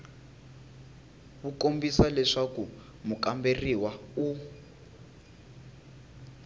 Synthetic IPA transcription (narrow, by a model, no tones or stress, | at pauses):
βukombisalɛʂaku | mukamberiwau